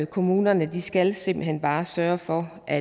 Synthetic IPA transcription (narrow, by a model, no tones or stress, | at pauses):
kʰo̝muːnɐnəd̥isɡ̥ælse̝m̰bl̩ɦen̰b̥ɑ̈ːsɶːɐfɒ̽ʔæ